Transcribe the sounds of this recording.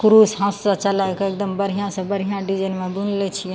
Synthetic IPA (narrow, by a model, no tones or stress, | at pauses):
kuɾusɦãsːə̃t͡ʃəlakek̚d̪əmbəɾ̤ijãsə̃bəɾ̤ijãɖid͡ʒənmẽbunlɛt͡ʃʰĩ